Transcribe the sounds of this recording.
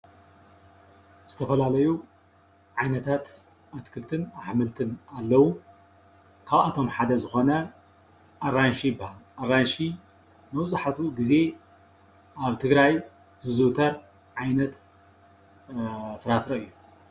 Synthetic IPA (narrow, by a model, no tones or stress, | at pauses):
z̥ɨt̪ʰɐfɐlalɐju | ʕajnɐt̪ʰat̪ | at̪kʰɨlt̪ʰɨnaħmɨlt̪ʰɨnalːɐwu | kʰaβat̪ʰo̞mħad̪ɐzɨxo̞nɐ | ʔaranʃibhalʔaranʃi | mɐwt͡sʼaħat̪uɡize̞ | ʔaβt̪ʰɨɡɾaj | zɨzɨt̪ʰɐɾ | ʕajnɐt̪ | fɨɾafɾɐɨjːu